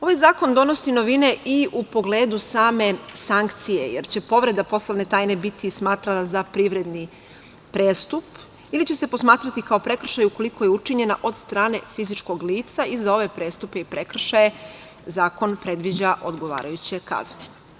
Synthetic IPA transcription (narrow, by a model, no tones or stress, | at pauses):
o̞ʋajzaːko̞nd̪o̞no̞sino̞ʋine̞ʔiupo̞ɡle̞ːd̪usaːme̞saŋkt̪sije̞̰jeɾt͡ɕe̞po̞ʋɾe̞d̪apo̞slaʋnet̪aːjne̞bit̪ismaːt̪ɾalazapɾiʋɾe̞d̪ni | pɾeːst̪up | ilit͡ɕese̞po̞smaːt̪ɾat̪ikao̞pɾe̞kr̩ʃajuko̞liko̞jeut͡ʃiɲe̞naʔo̞d̪st̪ɾaːne̞fizit͡ʃko̞ɡliːt̪saizao̞ʋe̞pɾe̞ːst̪upe̞ipɾe̞kr̩ʃaje | zaːko̞npɾe̞d̪ʋid͡ʑaʔo̞d̪ɡo̞ʋa̰ːɾajut͡ɕe̞ka̰zne